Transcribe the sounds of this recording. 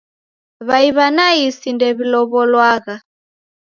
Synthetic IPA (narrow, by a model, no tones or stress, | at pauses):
βaiβanaisindɛβilɔβɔlwaːɣa